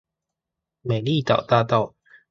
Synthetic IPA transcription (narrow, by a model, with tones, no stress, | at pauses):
me˨˩jli˥˨t̪a̰˨˩wt̪aː˥˧t̪a˥˩˨w